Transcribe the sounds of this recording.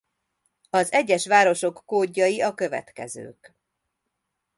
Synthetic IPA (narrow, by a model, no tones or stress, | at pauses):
ɒzɛɟːɛʃʋaːɾo̞ʃo̞kːoːɟːɒjiɒkø̞vɛ̰t̪kɛ̰zø̰ːk